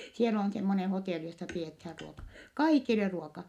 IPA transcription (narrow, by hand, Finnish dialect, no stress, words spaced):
siel on semːone hoteˑli josːɑ piethæːr ruokɑ kɑikile ruokɑ